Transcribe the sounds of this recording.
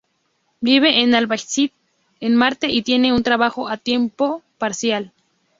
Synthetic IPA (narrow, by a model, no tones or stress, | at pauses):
biβ̞eʔːnalβajsit̪̚ | enmaɾt̪eʔit̪je̞neunt̪ɾaβaxoʔat̪jempopaɾsjal